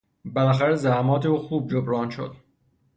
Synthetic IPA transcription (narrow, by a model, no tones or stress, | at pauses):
belæxæɾezæhmɒːt̪ʰeuːxuːb̚d͡ʒobɾɒːnʃo̰d̪̥